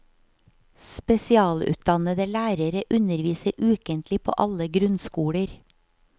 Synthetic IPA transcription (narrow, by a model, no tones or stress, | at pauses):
spɛsɪɑːlʉ̰ːt̪̚d̪ɑnəd̪əlæːɾəɾəʔʉnəɾʋiːsəɾʔʉːkənt̪lɪpʰo̰ːʔɑləɡɾʉnskuːɽəɾ